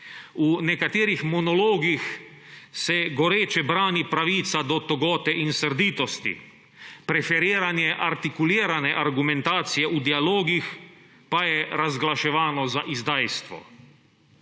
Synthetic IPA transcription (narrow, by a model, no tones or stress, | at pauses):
unɛkat̪eːɾixmɔnɔloːɡix | sɛɡɔɾeːt͡ʃɛbɾaːnipɾaʋiːt̪sad̪ɔt̪ɔɡɔːt̪ɛʔinsəɾd̪iːt̪ɔst̪ḭ | pɾɛfɛɾiːɾanjɛʔaɾt̪ikuliːɾanɛʔaɾɡumɛ̃nt̪aːt̪sijɛʔud̪ialoːɡix | pajɛɾazɡlaʃɛʋaːnɔzaʔizd̪aːjst̪ʋɔ̰